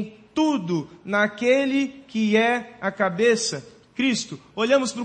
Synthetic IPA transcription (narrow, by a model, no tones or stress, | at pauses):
t̪ud̪ʊnɐkelɪkɪɛɐkabesɐ | kɾist̪ʊoʎɐ̃mʊspɾʊ